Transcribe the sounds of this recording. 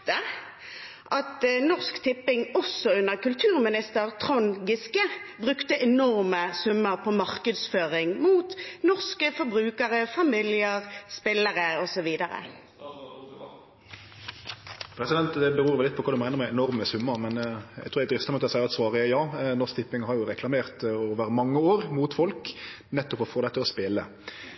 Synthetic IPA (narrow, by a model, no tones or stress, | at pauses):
t̪ə | ʔɑt̪nɔʁskt̪ʰɪpːɪŋɔsːɔʉnəʁkʉlt̪ʰʉːʁmɪnɪst̪əʁt̪ʰʁɔŋɡɪskəbʁʉkt̪əʔɛnɔʁməsʉmːəʁpʰɔmɑʁkəd̪sføːʁɪŋmuːt̪nɔʁskəfɔɾbʁʉːkəʁəfɑmɪlɪəʁspɪlːəʁəɔsɔʋiːd̪əʁə̰ | pʰɾɛsɪd̪ɛnt̪d̪ɛbəɾuːɾʋɛlːɪt̪pɔkʰɑd̪ʉmæɪnəɾmɛɛnɔɾməsʉmːəɾmɛnæ̰ɡt̪ʰuːɾɛɪd̪ɾɪst̪əmɔt̪ːɑsæɪʁɑt̪sʋɑːʁəɛjɑːnɔskt̪ɪpːɪŋhɑɾjʊɾɛkʰlɑmeːʁt̪oːʋəɾmɑŋːəoːɾmuːt̪fɔlk | nɛt̪ːɔpɔfoːd̪ɛt̪ːəɔspeːlə